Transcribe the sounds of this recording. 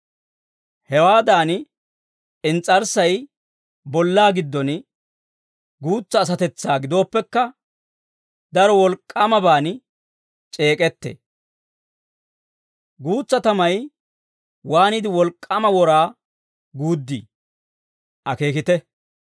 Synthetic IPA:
hɛwaːd̪aːn | ɪnt͡sʼːɐɾsɐj | bɔlːaːɡɪd̪ːɔn | ɡuːt͡sːɐːs̬ɐt̪ɛt͡sːaːɡɪd̪o̞ːpːɛkːɐ | d̪ɐɾɔwɔlkʼːɐmɐbaːn | t͡ʃʼe̞ːkʼɛt̪ːḛ | ɡuːt͡sːɐt̪ɐmɐj | waːnɪd̪ɪwɔlkʼːɐmɐwɔɾaː | ɡuːd̪ːḭ | ʔɐkeːkɪt̪ɛ

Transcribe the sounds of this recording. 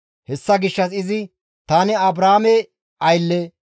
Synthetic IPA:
hɛsːɐɡɪʃːɐs̬ɪzɪ | t̪aːnɪɐbɾaːmɛ | ɐjlːeː

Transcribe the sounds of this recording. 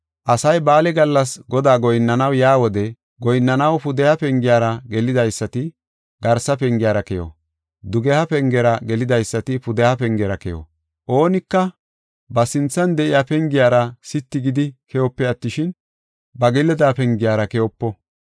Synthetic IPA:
ʔɐsɐjbaːlɛɡɐlːɐs̬ɡɔd̪aːɡɔjnːɐnɐwjaːwɔd̪ɛ | ɡɔjnːɐnɐwpʊd̪ɛhɐpɛŋɡɪjaːɾɐɡɛlɪd̪ɐjsːɐt̪ɪ | ɡɐɾsɐpɛŋɡɪjaːɾɐkɛjɔ̰ | d̪ʊɡɛhɐpɛŋɡɛɾɐɡɛlɪd̪ɐjsːɐt̪ɪpʊd̪ɛhɐpɛŋɡɛɾɐkɛjɔ̰ | ʔo̞ːnɪkːɐ | bɐsɪnt͡sːɐnd̪ɛʔɪjaːpɛŋɡɪjaːɾɐsɪt̪ːɪɡɪd̪ɪkʰɛjɔpːɛɐt̪ːɪʃɪn | bɐɡɛlːɛd̪aːpɛŋɡɪjaːɾɐkɛjɔpːɔ

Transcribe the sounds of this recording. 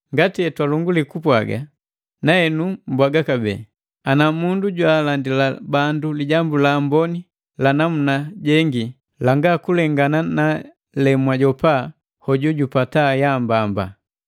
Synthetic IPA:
ŋɡatiɛtwaluŋɡulikupwa̰ɡa̰ | naɛnumbwaɡakabɛ̰ | anamunduɟwalandilabanduliɟambulambɔni | lanamunaɟɛŋɡi | laŋɡakulɛŋɡanana | lɛmwaɟɔpa | hɔɟuɟupatajambamba̰

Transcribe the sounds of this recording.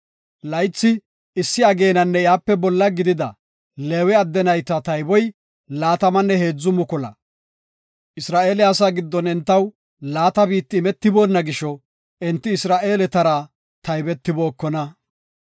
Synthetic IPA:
lɐjt͡sːɪ | ɪsːɪɐɡe̞ːnɐnːɛjaːpːɛbɔlːɐɡɪd̪ɪd̪ɐ | leːwɛɐd̪ːɛnɐjt̪ːɐt̪ɐjbɔj | laːt̪ɐmɐnːɛhe̞ːd͡zːʊmʊkɔlɐ̰ | ɪsɾaːʔe̞ːlɛɐsaːɡɪd̪ːɔnɛnt̪ːɐw | laːt̪ɐbiːt̪ːɪːmɛt̪ːɪbo̞ːnːɐɡɪʃɔ | ɪnt̪ːɪːsɾaːʔe̞ːlɛt̪ɐɾa | t̪ɐjbɛt̪ːɪbo̞ːkːɔnɐ

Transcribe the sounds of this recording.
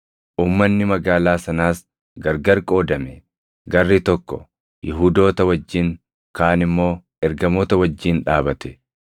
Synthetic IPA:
ʔuːmːɐnːɪmɐɡaːlaːsɐnaːs | ɡɐɾɡɐɾkʼo̞ːd̪ɐmɛ | ɡɐrːit̪ɔkːɔ̰ | jɪɦuːd̪o̞ːt̪ɐwɐd͡ʒːɪŋ | kaːnɪmːo̞ː | ɛɾɡɐmoːt̪ɐwɐd͡ʒːiːnᶑaːbɐt̪ɛ

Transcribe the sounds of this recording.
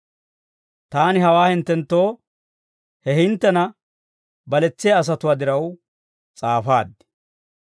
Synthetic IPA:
t̪aːnɪɦɐwaːhɪnt̪ːɛnt̪ːo̞ː | hɛhɪnt̪ːɛnɐ | bɐlɛt͡sːɪjaːs̬ɐt̪ʊwaːd̪ɪɾɐw | t͡sʼaːfaːd̪ːɪ̥

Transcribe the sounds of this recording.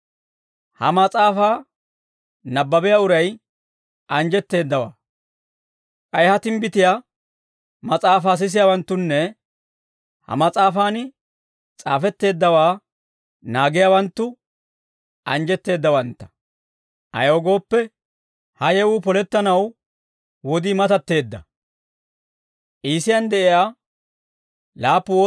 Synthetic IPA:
hɐ̰mɐt͡sʼaːfaː | nɐbːɐbɪjaʊɾɐj | ʔɐnd͡ʒɛt̪ːe̞ːd̪ːɐwa̰ː | kʼɐjhɐt̪ɪmbɪt̪ɪjaː | mɐt͡sʼaːfaːs̬ɪs̬ɪjaːwɐnt̪ːʊnːɛ | hɐ̰mɐt͡sʼaːfaːn | t͡sʼaːfɛt̪ːe̞ːd̪ːɐwaː | naːɡɪjaːwɐnt̪ːʊ | ʔɐnd͡ʒɛt̪ːe̞ːd̪ːɐwɐnt̪ːɐ̥ | ʔɐ̰joːɡo̞ːpːɛ | hɐjɛwʊpɔlɛt̪ːɐnɐw | wɔd̪iːmɐt̪ɐt̪ːe̞ːd̪ːɐ̰ | ʔiːsɪjɐnd̪ɛʔɪjaː | laːpːʊoː

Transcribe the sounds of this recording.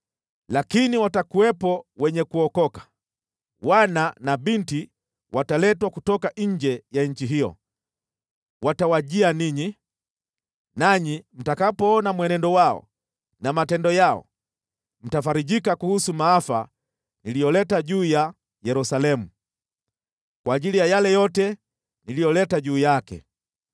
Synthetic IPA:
lakiniwatakuwɛpɔwɛɲɛkuɔkɔkḁ | wananaɓinti | wʔatalɛtwakutɔkaɲ̩d͡ʒɛjaɲ̩t͡ʃiɦijɔ̰ | watawaʄianiɲi | naɲim̩takapɔːnamwɛnɛndɔwaɔ̰ | namatɛndɔjaɔ̰ | m̩tafaɾiɟikakuhusumaːfa | nilijɔlɛtaɟuːja | jɛɾusalɛmu | kwaːʄilijajalɛjɔtɛ | nilijɔlɛtaɟuːjakɛ̰

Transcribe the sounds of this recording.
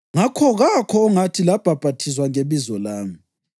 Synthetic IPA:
ŋakʰɔɣakʰɔːŋatʰilab̥ʱab̥ʱatʰis̬waŋeβizɔlaːmi

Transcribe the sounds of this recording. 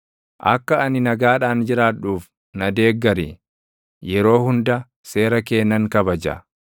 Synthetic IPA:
ʔɐ̰kːɐɐnɪnɐɡaːᶑaːnd͡ʒɪɾaːᶑuːf | nɐd̪e̞ːɡːɐɾi | jɛɾo̞ːhʊnd̪ɐ | se̞ːɾɐke̞ːnːɐŋkɐbɐd͡ʒɐ̰

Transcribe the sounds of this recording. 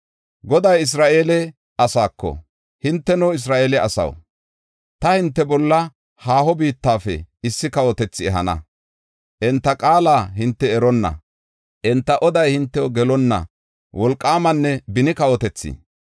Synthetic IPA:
ɡɔd̪ɐjɪs̬ɾaːʔeːlɛ | ɐsaːkːɔ̰ | hɪnt̪ːɛnoːɪs̬ɾaːʔeːlɛɐsɐ̰w | t̪ɐhɪnt̪ːɛbɔlːɐ | haːhɔbiːt̪ːaːfɛ̰ɪsːɪkɐwɔt̪ɛt͡sːɪɛɦɐnɐ̰ | ʔɛnt̪ːɐkʼaːlaːɦɪnt̪ːɛɛɾɔnːɐ̰ | ʔɛnt̪ːɐʔɔd̪ɐjhɪnt̪ːɛwoɡɛlɔnːɐ̰ | wʔɔlkʼːaːmɐnːɛbɪnɪkɐwɔt̪ɛt͡sːɪ̰

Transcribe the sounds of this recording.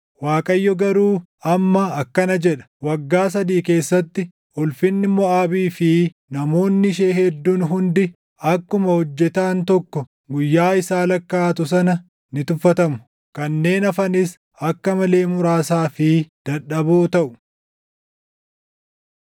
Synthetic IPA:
waːkʼɐjːɔɡɐɾuː | ɐmːɐɐkːɐnɐd͡ʒɛᶑɐ̥wɐɡːaːs̬ɐd̪iːke̞ːsːɐt̪ːɪ | ʔɔlfɪnːɪmːɔaːbiːfɪ | nɐmo̞ːnːɪʃeːhɛd̪ːuːnɦʊnd̪ɪ | ɐkːʊmɐhɔd͡ʒːɛt̪aːnt̪ɔkːɔ | ɡʊjːaːɪsaːlɐkːaːt̪ʊs̬ɐnɐ | nɪt̪ʊfːɐt̪ɐmʊ̥ | kɐnːe̞ːnɐfɐnɪs | ɐkːɐmɐle̞ːmʊɾaːsaːfɪd̪̥ɐᶑɐbuːt̪ɐʔʊ̥

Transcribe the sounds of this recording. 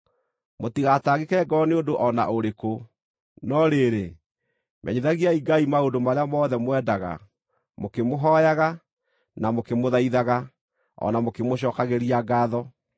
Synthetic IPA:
motiɣataːɣekɛɡɔneodoʔɔna̰oɾeko | nɔɾeɾe | mʔɛ̰ɲiðaɣiaiɡaimaodomaɾeamɔðɛmowɛdaɣa̰ | mokemoɦɔjaɣa | namokemoðaiðaɣa | ɔ̰namokemoɕ̬ɔːkaɣeɾiaɡaːðɔ

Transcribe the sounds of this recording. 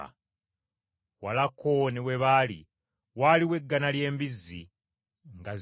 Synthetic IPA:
a̰ | walakonewe̞βaːlḭ | waːliwe̞ɡːanalje̞ːmbizːḭ | ŋɡa

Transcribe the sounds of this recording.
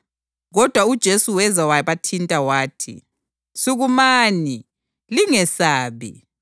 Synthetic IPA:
ɣɔd̥ʱwaud̥ʒ̥ʱesuwɛzawajβatʰintʼawaːtʰḭ | suɣumaːni | liŋɛsaːβḭ

